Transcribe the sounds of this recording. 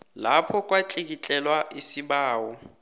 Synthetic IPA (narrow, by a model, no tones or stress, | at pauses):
lapʰɔkʼwat͡ɬʼik̬ʼit͡ɬʼɛlwaʔisibaːwɔ